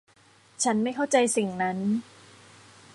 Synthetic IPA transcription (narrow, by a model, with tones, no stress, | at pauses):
t͡ɕʰa˦˥nma˥˩jkʰa˥˩wt͡ɕa˧jsi˨˩ŋna˦˥n